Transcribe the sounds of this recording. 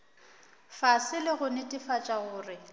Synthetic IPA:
fasɪlɪɣʊnɪtʼɪfat͡ʃʼaɣʊːrɪ

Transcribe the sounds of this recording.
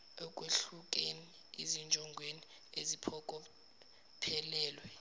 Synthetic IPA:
ɔkʼweɬukʼeni | ḭzind͡ʒʱʼɔŋɡʱweni | ezipʰɔkʼɔ | pʰɛlɛːlwɛ

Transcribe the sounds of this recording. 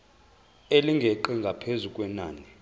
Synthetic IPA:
eliŋɡʱeǃiŋɡʱapʰezukʼwɛnaːni

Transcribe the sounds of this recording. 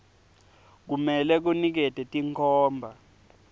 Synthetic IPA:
k̬umɛlɛk̬unik̬ɛtʼɛtʼiŋkʰɔːmbʱa

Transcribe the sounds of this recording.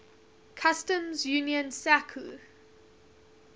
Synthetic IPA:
kʰastə̃mzjuːnjə̃nsakʰṵ

